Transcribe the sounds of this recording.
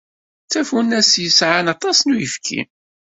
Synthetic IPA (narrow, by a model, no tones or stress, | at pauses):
t͡sːæfunːæsjəsʕanɑt̪ˤɑsnujəfkʰḭm